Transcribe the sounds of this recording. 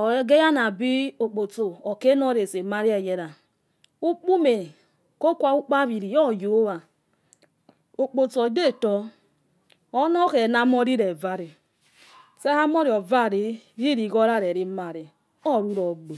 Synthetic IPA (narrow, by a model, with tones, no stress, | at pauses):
ɔ˨˦ɡe˦ja˦na˨bi˦o˨k͡po˨to˨ɔ˨ke˦nɔ˦˨ɾe˨se˨ma˦ɾi˦ɛ˨jɛ˨ɾa˨ | u˦k͡pu˦me˨ | ko˦kʷa˦u˦k͡pa˦βi˨ɾi˨jɔ˦˨jo˨˦wa˨ | o˨k͡po˨t͡so˨de˦˨tɔ˦ | ɔ˦nɔ˦kɛ˨na˨˦mɔ˦ɾi˦ɾe˨va˨ɾe˨ | sɛ˦ha˦mɔ˦ɾi˨ɔ˨va˦˨ɾi˨ɾi˦ɾi˨ɡɔ˦ɾa˦˨ɾe˨ɾi˨ma˨ɾe˨ | ɔ˦˨ɾu˦ɾɔ˨ɡ͡be˨